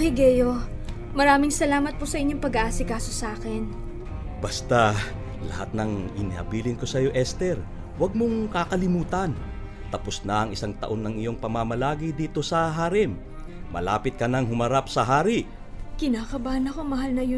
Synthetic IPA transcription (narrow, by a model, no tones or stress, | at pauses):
hɪɡɛjo | mɐɾaːmɪŋsɐlaːmɐt̪̚pʊsɐʔɪɲːo̞ŋpɐɡɐʔaːsɪkaːso̞saːkɛn | bast̪a | lɐ̰hat̪̚nɐŋɪnɪhɐ̰biːlɪŋko̞sɐjo̞ʔɛst̪ɛɾ | wɐɡ̚moŋkakɐlɪmuːt̪ɐn | t̪ɐposnɐɐŋɪsaŋt̪ɐ̰ʔo̞nːɐŋɪjo̞ŋpɐmamɐlaːɡid̪iːt̪o̞sɐɦaːɾɪmː | ɐ̰la̰ːpɪt̪̚kɐnɐŋɦʊmɐɾapsɐɦaːɾɪ | kɪnaːkɐbaːnɐkoŋmɐɦalnɐjo